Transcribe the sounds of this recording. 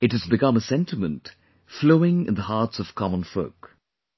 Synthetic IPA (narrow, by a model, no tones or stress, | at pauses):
ɨt̚hɨzbɨkʌ̃məsɛ̃ntɨmə̃nt | floʊɪ̃ŋɪ̰̃nðəhɑɹtsʌv̥kʰɑmə̃nfoʊk